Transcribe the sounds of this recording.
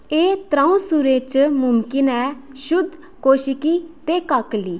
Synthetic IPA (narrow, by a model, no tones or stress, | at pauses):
eːt̪ɾaːũsuɾeːt͡ʃmʊmkɪnɛː | ʃʊd̪ʱ | koːʃɪkiːt̪eːkakliː